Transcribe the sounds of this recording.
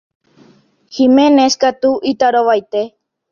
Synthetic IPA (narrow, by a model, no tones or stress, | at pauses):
himeneskat̪uʔit̪aɾoʋajt̪e